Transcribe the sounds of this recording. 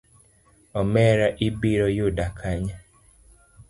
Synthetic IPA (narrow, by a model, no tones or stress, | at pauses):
ɔmɛɾaʔibiɾɔjodakʰaɲa